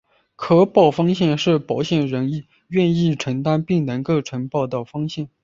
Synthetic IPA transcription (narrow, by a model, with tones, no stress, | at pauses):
kʰɤ˥pɑ˥˩ʊfɑ˥ŋɕjɛ˥˧nʂɻ̩˥˩pɑ˧˥ʊɕjɛ˥˩nɻə˧˥ŋi˥˧ | ɥɛ˥˧ni˥˩ʈ͡ʂʰə˧˥ŋt̪a˥npi˥˩ŋnə˧˥ŋkɤ˥˩ʈ͡ʂʰə˧˥npɑ˥˧ʊt̪ə˨˩fɑ˥ŋɕjɛ˥˩n